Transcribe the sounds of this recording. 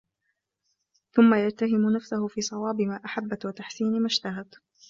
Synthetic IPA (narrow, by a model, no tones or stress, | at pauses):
θʊmːajad͡ʒt̪aɦɪmʊnafsahʊfiːsˤɑwɑːbɪmaːʔaħabːat̪wat̪aħsiːnmaʃt̪aɦad̪